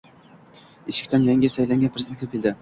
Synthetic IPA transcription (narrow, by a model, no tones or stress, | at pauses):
eʃɪ̥kʲt̪anjaŋʲɪsajlaŋʲɡʲanpʰɾezd̪enkʰlɪpʲkʲʰeld̪ɪ